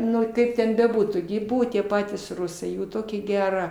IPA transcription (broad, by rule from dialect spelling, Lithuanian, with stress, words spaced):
ˈnʊ ˈkɐɪp tʲɛn bʲɛˈbuːtuː ɡʲɪ ɪ ˈbʊʋoː tʲiɛ ˈpɑːtʲiːs ˈrʊsɐɪ ˈjuː ˈtoːkʲɛ ˈɡʲæːrɐ